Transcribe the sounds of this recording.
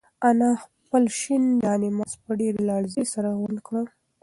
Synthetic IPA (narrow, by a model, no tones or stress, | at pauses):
anɑx | pəlʃind̪ɑnemaspəɖeɾelɑɽzesaɾaɣwənkɽə